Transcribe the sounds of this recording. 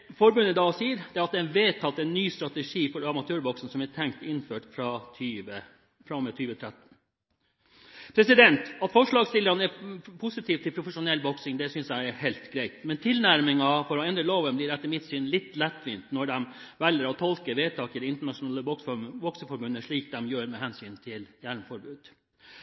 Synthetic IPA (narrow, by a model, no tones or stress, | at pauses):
fɔɾbʉnːəɪd̪ɑːsiːəɾd̪ɛɑt̪̚ɛnʋeːt̪ːɑt̪̚d̪ɛnːyːst̪ɾɑt̪ɛʂiːfɔɾɑmɑt̪ʰøːɾbɔksn̩sɔmæʈ̪ʰɛŋkt̪ɪnføːʈfɾɑt̪ʰyːʋə | fɾɑmɛt̪ʰyːʋət̪ʰɾæt̪n̩ | pʰɾɛsɪd̪ɛnt̪ɑt̪fɔʂɭɑːɡst̪ɪlːəɾɑnɛpʰʊsɪt̪ʰiːʋt̪ʰːɪlpʰɾʊfəʂʊnɛlːbɔksɪŋd̪ɛsʏnsjæɪɛɾhæɪlt̪ɡɾæɪt̪mɛnt̪ʰɪlnæɾmɪŋɑfɔɾɔɛnd̪ɾəloːʋənblɪɾɛt̪ːəɾmɪt̪syːnlɪt̪ːlɛt̪ːʋiːnt̪nɔɖɛm | ʋɛlːəɾɔt̪ʰɔlkəɾʋeːt̪ʰɑːkəɾɪnt̪əɳɑʂʊnɑːləbɔksʋɔksəfɔɾbʉnːəʂɭiːk̚d̪ɛmjøːɾmɛɦɛnsyːnt̪ʰɪljælmfɔɾbʉːd̪̥